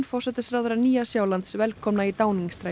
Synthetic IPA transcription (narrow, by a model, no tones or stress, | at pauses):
nfɔr̥sɛt̪ɪsɾawðʏɾaniːasjaːwlant̪svɛlkʰɔmnait̪aːwniŋst̪ɾa